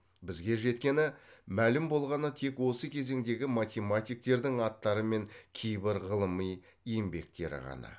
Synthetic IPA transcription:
bɪzɡʲe̞ʒe̞t̪kʲe̞nɪmælɪmbo̞lˠʁɑnət̪ʰe̞kwo̞səkʲʰe̞ze̞ŋd̪e̞ɡʲɪmat̪ʲe̞mat̪ʲijk̚t̪e̞ɾd̪ɪŋɑt̪ːɑɾəme̞ŋkʲʰejbɪɾʁəlˠəməj | ijembe̞k̚t̪e̞̰ɾɪ̰ʁɑ̰nɑ̰

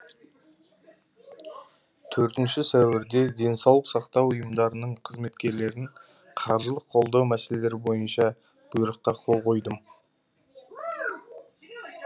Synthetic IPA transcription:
t̪ʰɵɾt̪ɪnʃɪsæwɪɾd̪e̞d̪e̞nsɑwlˠəqsɑqt̪ɑwʊjəmd̪ɑɾənəɴqʰəzme̞t̪kʲe̞ɾle̞ɾɪŋ | qʰɑɾʒəlˠəqqʰːo̞lˠd̪ɑwmæse̞lele̞ɾɪbo̞jənʃɑ | b̥ʊjəɾəqːɑqʰo̞lˠqʰo̞jd̪əm

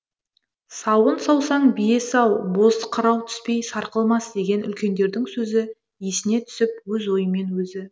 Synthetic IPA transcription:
sɑwənsɑwsɑɴbijesɑwbo̞sqʰəɾɑwt̪ʰʏ̥spe̞jsɑɾqəlˠmɑsd̪e̞ɡʲe̞nʔʏ̰lkʲe̞nd̪e̞ɾd̪ɪŋsɵzɪ | jesɪne̞t̪ʰʏ̥sɪp̚wɵzo̞jəme̞nwɵzɪ

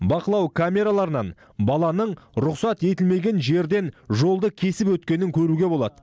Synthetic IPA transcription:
bɑqəlˠɑwkʰamʲe̞ɾalˠɑɾənɑn | bɑlˠɑnəɴɾʊqsɑt̪e̞t̪ɪlme̞ɡʲe̞nʒe̞ɾd̪e̞nʒo̞lˠd̪əkʲʰe̞sɪpwɵt̪kʲe̞nɪŋkʲʰɵɾuɡʲe̞bo̞lˠɑd̪ə

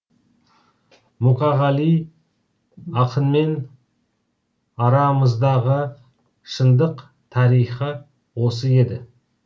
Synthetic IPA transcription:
muqɑʁɑlij | ɑqʰənme̞n | ɑɾɑməzd̪ɑʁə | ʃənd̪əq | t̪ʰɑɾijχə | wo̞s̬əe̞d̪ɪ

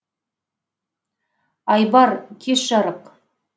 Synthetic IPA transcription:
ɑjbɑɾkʲʰesʒɑɾəq

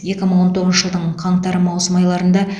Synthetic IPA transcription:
je̞kʲɪməɴwo̞nt̪ʰo̞ʁzəʒəlˠd̪əɴqʰɑɴt̪ɑɾəmɑwsəmɑjlˠɑɾənd̪ɑ

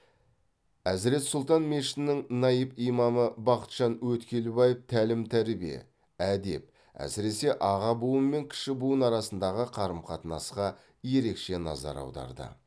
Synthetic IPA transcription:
æzɾe̞t̪sʊlˠt̪ɑnme̞ʃɪ̥nnːɪŋnɑjəpijmɑməbɑqə̥t̪ʒ̥ɑnwɵt̪kʲʰe̞lɪbɑjeft̪ʰælɪmt̪ʰæɾbije̞̰ | æd̪e̞̰p̚ | æ̰sɪɾe̞se̞ʔɑʁɑbuwəmːe̞ŋkʲʰɪ̥ʃɪbuənɑɾɑsənd̪ɑʁəqʰɑɾəmqʰɑt̪ənɑsqɑ | je̞ɾe̞kʃe̞nɑ̰zɑ̰ɾɑ̰wd̪ɑ̰ɾd̪ə̰

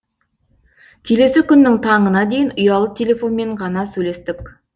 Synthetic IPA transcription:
kʲʰele̞sɪkʲʏnːɪŋt̪ʰɑɴənɑd̪e̞jɪnʊjɑlˠət̪ʰʲelʲe̞fo̞nme̞ɴʁɑnɑsɵjle̞st̪ɪk̚ʲ

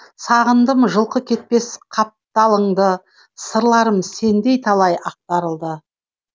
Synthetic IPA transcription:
sɑʁənd̪əmʒəlˠqəkʲʰe̞t̪̚pe̞sqʰɑp̚t̪ɑlˠəɴd̪ə | səɾlˠɑɾəmse̞nd̪e̞jt̪ʰɑlˠɑjɑq̚t̪ɑɾəlˠd̪ə

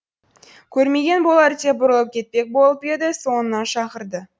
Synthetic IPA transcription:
kʲʰɵɾme̞ɡʲe̞nbo̞lˠɑɾɪt̪e̞bʊɾəlˠəp̚kʲʰe̞t̪̚pe̞k̚bo̞lˠəpe̞d̪ɪso̞nənɑnʃɑqəɾd̪ə

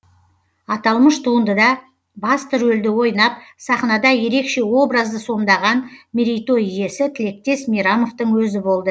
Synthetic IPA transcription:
ɑt̪ɑlˠməʃt̪ʰuənd̪əd̪ɑ | bɑst̪ʰʏɾɵld̪ɪwo̞jnɑp̚sɑχnɑd̪ɑje̞ɾe̞kʃe̞wo̞bɾɑzd̪əso̞md̪ɑʁɑnmʲiɾijt̪o̞ije̞sɪt̪ʰɪle̞k̚t̪e̞smijɾamo̞ft̪əɴwɵzɪbo̞lˠd̪ə

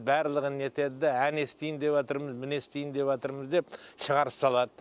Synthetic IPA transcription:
bæɾlˠəʁəne̞t̪e̞d̪ɪd̪ɪæne̞st̪ejnd̪e̞wot̪əɾməzmɪne̞st̪ejɪnd̪e̞pɑt̪əɾməzd̪e̞p̚ʃəʁɑɾəpsɑlˠɑd̪ə

